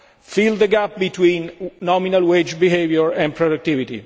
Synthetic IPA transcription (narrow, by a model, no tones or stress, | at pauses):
fild̪əɡap̚bit̪wĩːnːɔminalwed͡ʒbiɦevjɔɹɛ̃npʰɹɔduk̚t̪ivit̪ḭ